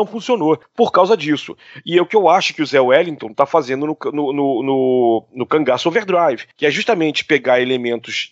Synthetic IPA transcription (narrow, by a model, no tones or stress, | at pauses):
ɐ̃w̃fũsionopoɾkawzɐd͡ʒisʊ̰ɪeʊkɪewaʃʊ̥kɪuzɛwɛlĩt̪õt̪afazẽnd̪ʊnʊknʊnʊnʊnʊkɐ̃ŋɡasoveɾd̪ɾajvɪkɪɛʒuʃt̪amẽnt͡ʃɪ̥peɡaɾelemẽnt̪ʊs